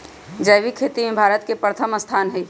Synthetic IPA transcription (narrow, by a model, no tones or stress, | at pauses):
d͡ʒəjʋikʰeːt̪imẽbʱaːɾət̪kepɾət̪ʰəməst̪ʰaːnɦɛ